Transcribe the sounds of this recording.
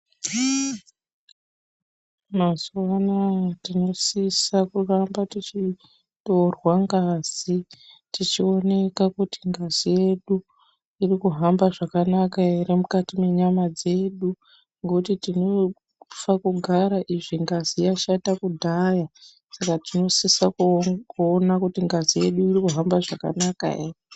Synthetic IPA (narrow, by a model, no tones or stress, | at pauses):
mazwanatino̞sisakurambatit͡ʃi | to̞rwaŋɡaːz̥itit͡ʃio̞ne̞kakutiŋɡazije̞ɗu | irikuɦambaʐakanakaɦeɾe̞mukatime̞ɲamad͡ze̞ɗu | ŋɡekutitino̞ | fakuɡʱaɾaʔiʐiŋɡazijaʃatakudʱaja | sakatino̞sisakːnakutiŋɡazije̞ɗuirikuɦambaʐaka̰naka̰ḛre